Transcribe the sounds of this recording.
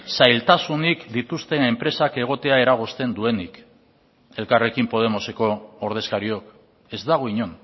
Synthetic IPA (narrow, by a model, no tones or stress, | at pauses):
sajlt̪asunikd̪it̪ust̪e̞e̞mpɾe̞sake̞ɣ̞o̞t̪e̞ae̞ɾaɣ̞ost̪e̞nd̪ue̞nik | e̞lkare̞kimpo̞ð̞e̞mo̞se̞ko̞oɾð̞e̞skaɾio̞k | e̞zd̪aɣ̞o̞iɲo̞n